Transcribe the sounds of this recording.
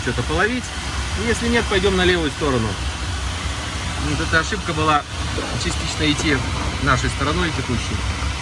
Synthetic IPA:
t͡ɕot̪əpəlˠɐvʲit̪ʲ | ojesʲlʲɪnʲe̞t̪̚pɐjdʲo̞mnɐlʲe̞vʊjʊst̪o̞ɾənʊ | ot̪ɛt̪əɐʂɨp̚kəbɨlˠa | t͡ɕɪsʲtʲit͡ɕnəɪtʲːinaʂəjst̪əɾɐno̞jtʲɪkuɕːɪj

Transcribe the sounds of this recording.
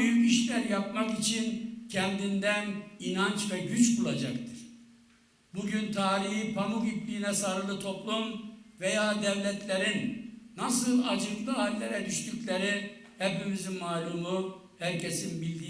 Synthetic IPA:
yiʃlʲæɾjap̚makit͡ʃʰincʰɛnd̪ind̪æninant͡ʃvɛɟyt͡ʃbulˠad͡ʒakt̪ʰɯ̥ɾ̥ | buɟynt̪ʰaːɾihipʰamukiplʲiːnɛsaɾɯlˠɯt̪ʰo̞plˠumvɛjaːd̪ɛvlʲɛt̪ʰlʲeɾinːasɯlˠad͡ʒɯklˠɯalʲːeɾɛd̪yʃt̪yclʲeɾi | hɛpimizimːaːlʲumu | hæɾcʰesinbilʲd̪i

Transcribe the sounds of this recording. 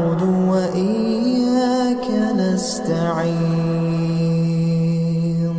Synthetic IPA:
d̪ʊwaʔɪjakanast̪aʕi

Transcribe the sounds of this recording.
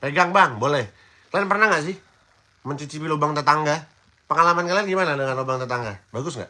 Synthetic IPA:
peɡaŋbaŋbolɛh | kaənpərnahŋɡaʔs̬ɪh | məɲt͡ʃut͡ʃipilobaŋt̪ət̪aŋɡa | pəŋalamankalarɡimanadəŋanlobaŋt̪ət̪aŋɡabaɡʊsŋɡa̰ʔ

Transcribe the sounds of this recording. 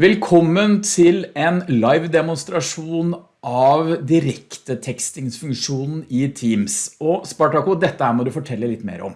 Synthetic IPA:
ʋɛlkʰɔmːənt̪ʰɪlɛnlɑɪʋd̪ɛmʊnst̪ɾɑʂuːn | ʔɑʋd̪ɪɾɛkt̪ət̪ʰɛkst̪ɪŋsfʉŋkʂuːnn̩ɪt̪ʰiːmsɔspɑʈɑkʊd̪ɛt̪ːəhæːɾmɔd̪ʉfɔʈʰɛlːəlɪt̪ːmḛːɾəɔ̰m

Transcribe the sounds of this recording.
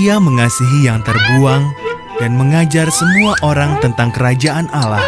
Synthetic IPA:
iaməŋasiɦijaŋt̪ərɡuaŋ | danməŋad͡ʒarsəmuaʔoɾaŋt̪ənt̪aŋkəɾad͡ʒaʔanʔalah

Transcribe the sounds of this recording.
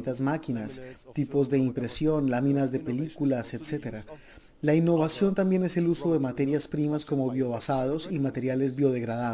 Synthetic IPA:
t̪azmakinast̪ipo̞zðe̞impɾe̞sjo̞nlamĩnazðe̞pe̞likulase̞t̪se̞t̪e̞ɾa | lainːo̞βasjo̞nt̪ambje̞ne̞se̞luso̞ðe̞mat̪e̞ɾjaspɾimasko̞mo̞βjo̞βasaðo̞simat̪e̞ɾjale̞zbjo̞ðe̞ɣɾaða

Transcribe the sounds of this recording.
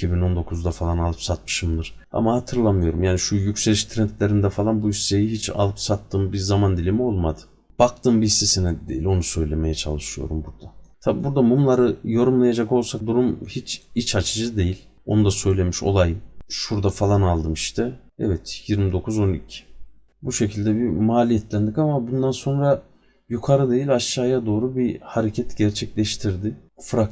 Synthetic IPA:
icʰibino̞nd̪o̞kʰuzd̪afalˠanalˠɯpsat̪̚mɯ̥ʃɯmd̪ɯɾ̥ | a̰mahat̪ʰɯɾlˠamɯjo̞ɾumjaːniʃujycʲselʲiʃt̪ʰɾɛnt̪lʲeɾind̪ɛfalˠanbuissejiɦit͡ʃʰa̰lˠɯpsat̪ːɯmbiɾzamand̪ilʲimio̞lˠmad̪ɯ̥ | b̥ak̚t̪ʰɯːmbiisisinɛd̪d̪ejilʲo̞nusø̞jlʲe̞me̞jɛt͡ʃʰalˠɯʃɯjo̞̰ɾumbuɾd̪at̪ʰabibuɾd̪abunlˠaɾɯjo̞ɾumlˠajad͡ʒako̞lˠsak̚d̪uɾumhit͡ʃʰit͡ʃʰat͡ʃʰɯd͡ʒɯd̪e̞jilʲ | o̞̰nud̪asø̞jlʲe̞miʃo̞̰lˠajʃuɾd̪afalˠanalˠd̪ɯmiʃt̪ʰɛ | ɛvɛt̪jiɾmid̪o̞kʰuzo̞nicʰi̥ | buʃe̞cʰilʲd̪ɛbimaːlʲijɛt̪ʰlʲænd̪ikamabund̪anso̞nɾa | jukʰaɾɯd̪e̞jilʲaʃːaːjad̪o̞ːɾubihaɾecʰɛt̪ɟɛɾt͡ʃʰɛclʲɛʃt̪ʰiɾd̪ɪfɾak

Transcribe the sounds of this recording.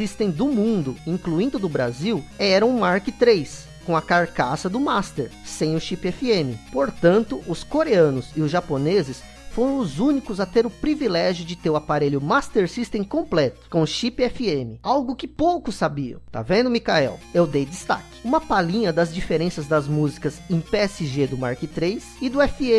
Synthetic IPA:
ist̪ẽj̃d̪ʊmũnd̪ʊĩŋkluĩnd̪ʊd̪ʊbɾa̰ziwɛɾɐ̃w̃ʊ̃maɾkɪt̪ɾejs | kõw̃ɐkaɾkasɐd̪ʊmast̪eɾsẽj̃ʊʃipɪɛfiẽmɪpoɾt̪ɐ̃nt̪ʊʔʊskoɾeɐ̃nʊzɪʊzʒaponezɪs | foɾɐ̃w̃ʊzũnikʊzɐt̪eɾʊpɾivilɛʒjʊd͡ʒɪt̪ewapaɾeʎʊmast̪eɾsist̪ẽj̃kõmplɛt̪ʊ̥kõʃipɪɛfiẽmɪawɡʊkɪpowkʊsabiɐ̰̃t̪a̰vẽnd̪ʊmikaɛ̰wewd̪ejd̪ɪst̪a̰kɪ̥ũmɐpalĩɲɐd̪ɐzd͡ʒifeɾẽsɐzd̪ɐzmuzikɐzẽpeɛsɪʒed̪ʊma̰ɾkɪt̪ɾejsɪd̪ʊɛfiẽ

